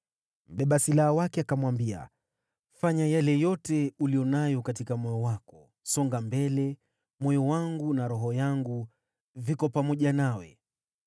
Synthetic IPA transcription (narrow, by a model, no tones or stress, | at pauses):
m̩ɓɛɓasilaawakɛakamwambia̰ | faɲajalɛjɔtɛulijɔnajɔkatikamɔjɔwakɔ | sɔŋɡambɛlɛ | mɔjɔwaŋɡunaɾɔɦɔjaŋɡu | vikɔpamɔʄanawɛ̰